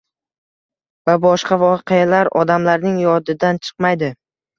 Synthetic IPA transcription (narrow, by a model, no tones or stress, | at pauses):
vabɒʃqɑvɒqʰejalaɾɒ̰d̪amlaɾnɪŋjɒd̪ɪd̪ant͡ʃʰɨ̥qmajd̪ɪ